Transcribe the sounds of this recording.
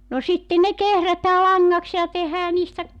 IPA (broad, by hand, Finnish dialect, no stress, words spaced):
no sitːen ne kehrætæː lɑŋːɑks jɑ tehæː niːstæ